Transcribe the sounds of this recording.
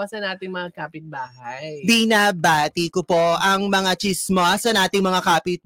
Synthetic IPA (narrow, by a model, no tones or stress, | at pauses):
asɐnaːt̪ɪŋmɐŋakaːpɪt̪̚baːhajbɪnabaːt̪ikopo̞ɐŋmɐŋat͡ʃismoʔasɐnaːt̪ɪŋmɐŋakaːpɪt̚